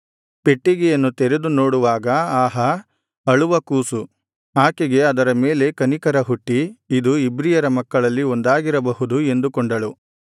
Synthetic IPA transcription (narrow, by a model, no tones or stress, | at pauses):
pe̞ʈːiɡjɐnːut̪eɾed̪unoːɽuʋaːɡɐaːɦɐ | ɐɭuʋɐkuːsu | aːkeɡe̞ɐd̪ɐɾɐme̞ːle̞kɐnikɐɾɐɦuʈːiid̪uibɾijɐɾɐmɐkːɐɭɐlːiond̪aːɡiɾɐbɐɦud̪ue̞nd̪ukoɳɖɐɭu